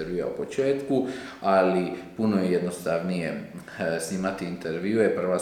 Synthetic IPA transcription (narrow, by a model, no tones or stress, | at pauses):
ɾʋjuja̰ṵpo̞t͡ʃe̞ːt̪ku | alipunojejed̪nost̪aʋnije | sniːmat̪iint̪ʰeɾʋiujepr̩ʋa